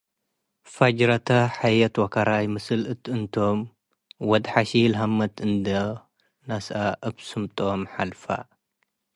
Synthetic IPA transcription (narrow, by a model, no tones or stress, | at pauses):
fad͡ʒɾɐt̪ʰɐħajɐt̪wɐkʰɐɾajmɨsɨlɨt̪ɨnt̪ʰo̞m | wɔd̪ħaʃilɐɦamːɐt̪ʰɨnd̪ɐ | nasaʔaβsɨmt̪ʼomħalfa̰